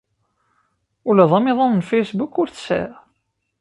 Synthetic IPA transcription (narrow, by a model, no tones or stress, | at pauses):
ulæðˤɑmɪðˤɑnənfejsbukːʊɾθsæ̰ɾ